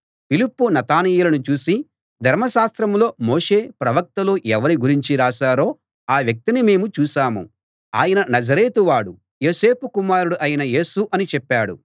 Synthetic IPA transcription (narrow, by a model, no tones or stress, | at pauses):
pilipːunɐt̪aːnɛːjulɐnut͡ʃuːsi | d̪ʱɐɾmɐʃaːst̪ɾɐmlo̞ːmoːʂe̞ːpɾɐʋɐk̚t̪ɐloːʔɛʋɐɾiɡuɾiɲt͡ʃiɾaːʃaːɾo̞ː | aːʋjɐk̚t̪inime̞ːmut͡ʃuːʃaːmṵ | a̰ːjɐnɐnɐd͡ʒɐɾeːt̪uʋaːɽu | jo̞ːse̞ːpukumaːɾuɽuʔɐjɐnɐje̞ːsuʔɐnit͡ʃɛpːaːɽṵ